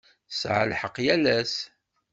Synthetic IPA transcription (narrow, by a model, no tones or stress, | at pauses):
sʕə̰lħəqːjælæs